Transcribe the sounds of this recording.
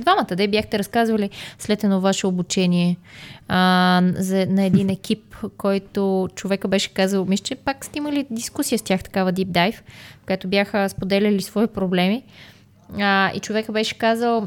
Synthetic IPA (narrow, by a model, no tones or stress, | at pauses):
d̪vamət̪əd̪ɛibjaxt̪ɛɾɐskazvɐlislɛt̪ɛnɔvaʃɛobut͡ʃɛniɛ | zɐnɐɛd̪inɛk̟ipkɔjt̪ot͡ʃovɛkəbɛʃɛ̥kazəlˠmislət͡ʃɛpakst̪ɛiməlid̪iskusijəstʲjaxt̪ɐ̥kavəd̪ip̚d̪ajfkoɛt̪objaxəspod̪ɛlʲɛlisvɔipɾoblɛmi | əḭt͡ʃovɛkəbɛʃɛ̥kazəlˠ